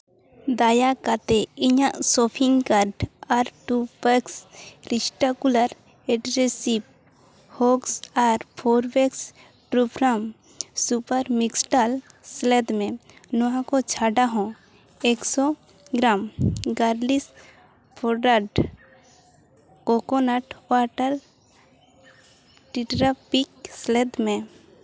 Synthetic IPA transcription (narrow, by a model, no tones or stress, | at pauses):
d̪ajakat̪ɛiɲaʔsɔpʰiŋkaɾɖaɾʈubəksɾisʈakulaɾ | ɛʈɾesip̚ | hoksaɾpʰoɾbeks | ʈɾupʰɾam | supaɾmiksʈalsled̪mẽnɔãkot͡ʃʰaɖaɦɔ̃ | eksɔ | ɡɾamɡaɾlis | pʰoɖaɖ | kokonaʈwaʈəɾ | ʈiʈɾapiksled̪mẽ